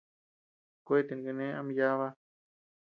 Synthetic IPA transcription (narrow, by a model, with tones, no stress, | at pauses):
kʷe˦˨t̪e˨˧ŋɡe˧nẽ˦a˧m˧ja˦βa˦